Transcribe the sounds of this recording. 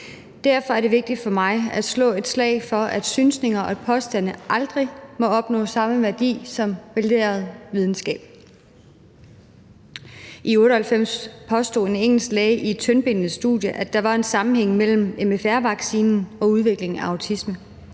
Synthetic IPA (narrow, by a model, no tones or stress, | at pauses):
d̥æɐfɒ̽æɐɾ̥e̝ʋe̝ɡ̥̚d̥id̥fɒ̽mɑ̈ɪæd̥slɔ̰̽ːe̝d̥slɛ̰ːɪfɒ̽æd̥synsne̝ŋɐʔɒ̽æ̥pʰɒ̽sd̥æn̰əʔɑ̈ld̥ʁimɒ̽ɒ̽b̥nɔ̰ːsɑ̈məʋæɐd̥ḭːsɒ̽mʋælde̝̰ːɐð̞̩ˠʋið̞ˠn̩sɡ̥ɛ̰ːb̥ | ʔiɔ̽ːɾəhælfem̰spʰɒ̽sd̥o̝̰ːe̝neŋ̰l̩sd̥lɛɪʔied̥̚t͡sʰønb̥e̝nð̩ˠsd̥ṵðˠjəʔæd̥ɑ̈ʋɑ̈e̝nsɑ̈mm̩heŋ̰mel̰m̩emefæɐ̰ʋɑ̈ɡ̥siːnn̩ɒ̽uð̞ˠʋe̝ɡ̥le̝ŋæɑ̈ʊt͡sʰismə